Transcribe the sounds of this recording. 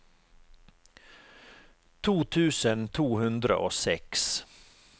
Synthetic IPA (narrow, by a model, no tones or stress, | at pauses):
t̪ʰuːt̪ʰʉːsənt̪ʰuːhʉnd̪ɾə̰ʔoːsɛks